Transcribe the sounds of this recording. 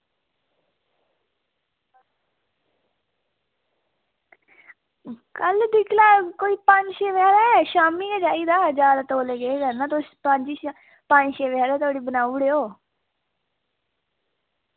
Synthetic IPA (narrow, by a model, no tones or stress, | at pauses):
kəld̪ɪkʰlaːkoːiːpəɲd͡ʒʃeːʋɛːɾaʃaːmiːɛd͡ʒaːiːd̪aːd͡ʒaːɾat̪oːleːɡeeːkəɾnãːt̪ospəɲd͡ʒiːʃ | pə̃ɲd͡ʒʃeːʋɛːɾɛːt̪oːɽiːbənaːuɽeːoː